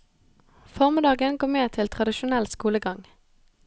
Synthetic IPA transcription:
fɔʁmɪd̪ɑːɡənɡɔːmeːt̪ʰɪlt̪ʰʁɑd̪ɪʃʊnɛlskuːləɡɑŋ

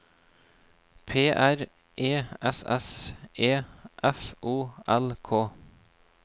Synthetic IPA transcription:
pʰeːʔæɾ | ʔeːɛsɛ̰seːʔɛfʔuːɛlkʰoː

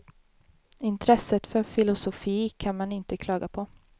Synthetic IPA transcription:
ɪnt̪ʰɾɛsːət̪fœɾfɪlʊsʊfiːkʰanmanɪnt̪əkʰlɑːɡapʰɔ

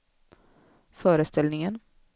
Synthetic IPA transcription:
fœːɾəst̪ʰɛlnɪŋən

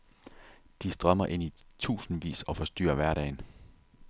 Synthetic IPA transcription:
d̥isd̥ʁɶmɐʔe̝n̰it͡sʰṵːsn̩ʋḭːsɒ̽fɒ̽sd̥y̰ːɐʋæɐɾɛ̰ːɪn

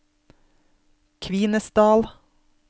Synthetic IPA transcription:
kʰʋiːnəsd̪ɑːl

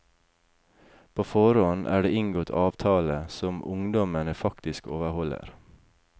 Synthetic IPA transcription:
pʰoːfɔɾɔnʔæ̰ːɖeːʔɪŋɡoːt̪ʰɑːʋt̪ʰɑːləsɔmʔʊŋd̪ɔmənəfɑkt̪ɪskoːʋəhɔlə̰ɾ

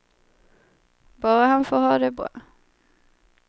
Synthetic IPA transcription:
bɑːɾahanfoːhɑːd̪ɛbɾɑ̰ː

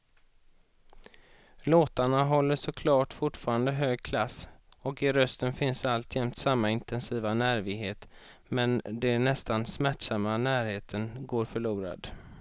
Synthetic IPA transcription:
loːt̪aɳaɦɔlːəʂɔkʰlɑːʈfʊʈfɑːɾand̪əɦøːɡ̚kʰlas | ɔkɪɾœst̪ənfɪnsalt̪ʰjɛmt̪samːaɪnt̪ɛnsiːvanæːɾvɪɡɦeːt̪ | mɛnd̪ɛnɛst̪ansmæʈʂamːanæːɾheːt̪ʰənɡoːɾfœɭuːɾa̰d̪

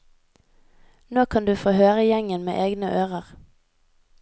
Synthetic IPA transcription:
noːkʰɑnd̪ʉːfoːhøːʁəjɛŋənmḛːʔeːɡnəʔøːʁəʁ

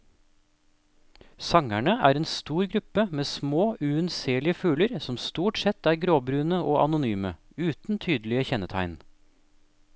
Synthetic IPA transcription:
sɑŋæɳəʔæːɾeːnst̪uːɾɡɾʉpəmeːsmoːʉʉnseːlɪəfʉːləɾsɔmst̪uːʈsɛt̪æːɾɡɾoːbɾʉːnəʔoːʔɑnʊnyːmə | ʉːt̪n̩t̪ʰyːd̪lɪəçɛnət̪ʰæ̰ɪn

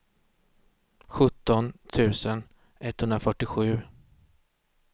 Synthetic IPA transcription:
ɧɵt̪ːɔnt̪ʰʉ̟ːsən | ɛt̪ːhɵnɾafœʈːɪɧʉ̟ː

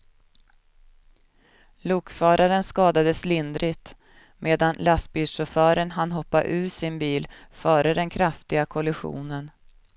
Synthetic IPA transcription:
luːkfœːɾʔaɾənskɑːd̪ad̪əslɪnd̪ɾɪt̪ | mʔeːd̪anlast̪̚biːlʂɔfœːɾənɦanːɦɔpːaʔʉ̟ːʂɪnbiːlfœːɾəd̪ɛnkʰɾaft̪ɪɡakʰɔlɪɧṵːnən

